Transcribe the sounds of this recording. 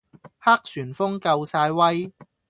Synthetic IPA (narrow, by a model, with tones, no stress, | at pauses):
haː˥k̚syː˨˩nfʊ˥ŋkɐ˧wsaː˧jwɐ˥j